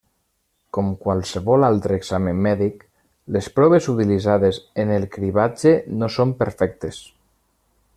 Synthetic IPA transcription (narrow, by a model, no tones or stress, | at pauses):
kɔmkwalˠseβɔlalˠt̪ɾeːɡz̥ameːɛðik | lespɾɔβ̞ezut̪ilizaðezenelˠkɾiβad͡ʒenosompeɾfɛk̚t̪es